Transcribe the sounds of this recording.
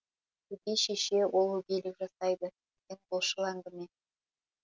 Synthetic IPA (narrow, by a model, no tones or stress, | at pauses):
ɵd̪eʃeʃewʔolˠɵɡʲelɪkʒɑsɑjd̪ə̥ | eŋbolˠʃəlˠɑŋd̪əmen